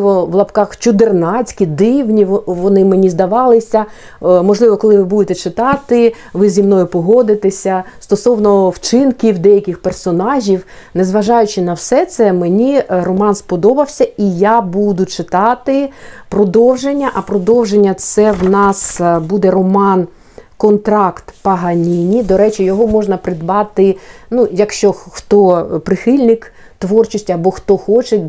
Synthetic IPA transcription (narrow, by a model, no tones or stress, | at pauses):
ʋɔʋlˠɐpkɑxt͡ʃʊd̪ɪrnɑt͡sʲkʲid̪ɪwnʲiʋɔnɪmenʲizd̪ɐʋɑlˠɪsʲɐ | mɔʒlˠɪʋɔkɔlˠɪʋɪbud̪et̪ɛt͡ʃɪt̪ɑt̪ɪ | ʋɪzʲimnɔjʊpɔɦɔd̪ɪt̪eɪsʲɐst̪ɔsɔwnɔwt͡ʃɪnkʲiwd̪ɛjɐkʲɪxpersɔnɑʒʲiw | nezʋɐʒɑjʊt͡ʃɪnɐwsɛt̪sɛmenʲirɔmɑnspɔd̪ɔbɐwsʲɐijabud̪ʊt͡ʃɪt̪ɑt̪ɪpɾɔd̪ɔwʒenʲːɐʔɐpɾɔd̪ɔwʒenʲːɐt̪sɛwnɑsbud̪ɛɾɔmɑn | kɔnt̪ɾɑkt̪pɐɦɐnʲinʲid̪ɔɾɛt͡ʃɪjɔɦɔmɔʒnɐpɾɪd̪bɑt̪ɪnujɐkʃt͡ʃɔxt̪ɔpɾɪxɪlʲnɪk | t̪ʋɔrt͡ʃisʲtʲɐbɔxt̪ɔxɔt͡ʃe